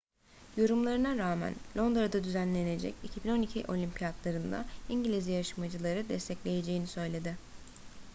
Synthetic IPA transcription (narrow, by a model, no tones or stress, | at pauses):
jo̞ɾumlˠaɾɯnaɾaːmæ̰nlʲo̞nd̪ɾad̪ad̪yzænlʲe̞ne̞d͡ʒɛ̰cicʰibino̞nicʰḭʔo̞lʲimpʰijat̪lˠaɾɯnd̪a̰iɲɟilʲizijaʃamad͡ʒɯlˠaɾɯd̪ɛst̪ʰɛclʲe̞je̞d͡ʒe̞jinisø̞jlʲe̞d̪ɪ